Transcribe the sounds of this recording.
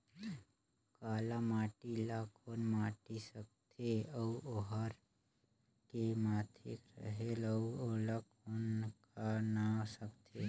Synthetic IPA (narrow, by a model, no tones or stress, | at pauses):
kaːlamaːʈilakʰoːnmaːʈisək̚t̪ʰeəuoɦəɾ | kemaːt̪ʰḛkɾə̰ɦeləuolak | onkanasəkt̪ʰe